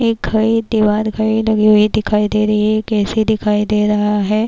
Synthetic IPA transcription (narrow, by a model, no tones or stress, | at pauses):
eːk̚ɡʱɐid̪eʋaːd̪ɡʱɐilɐɡiɦoɦid̪ɪkʰaːid̪eːɾɐiɦɛkɛːsid̪ɪkʰaːid̪eːɾɐɦaɦɛː